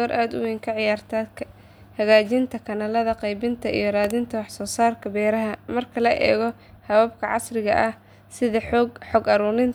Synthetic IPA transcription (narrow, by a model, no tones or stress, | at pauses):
ɔːɾʔaːd̪ʊ̰wiːŋkʰɐʕɪjaːrt̪ʰa | hɐɣaːt͡ʃɪnt̪ʰɐkʰɐnɐlɐðɐqɛjbɪnt̪ʰɐḭjɞɾaːðɪnt̪ʰɐwɑħsɔːsaːrkʰɐbɛːɾɐɦɐmɐrkʰɐlɐʔɛ̰ːɣɔ | hɐwaːb̚kʰɐʕɑ̰srɪɣɐʔɐh | sɪðɐħɔɡħɔːɡɐɾuːɾɪn